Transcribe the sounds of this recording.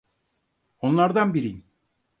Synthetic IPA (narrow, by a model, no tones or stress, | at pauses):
o̞nlˠaɾd̪anbiɾin